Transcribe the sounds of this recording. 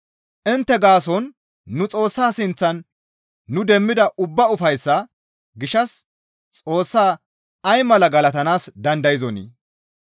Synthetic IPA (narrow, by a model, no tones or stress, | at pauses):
ʔɪnt̪ːɛɡaːs̬ɔnː | ʊt͡sʼo̞ːsːaːsɪnt͡sːɐnː | ʊd̪ɛmːɪd̪ɐʔʊbːɐʊfɐjsːɐ | ɡɪʃɐs | t͡sʼo̞ːsːaː | ɐjmɐlɐɡɐlɐt̪ɐnaːsd̪ɐnd̪ɐjɪzɔnḭː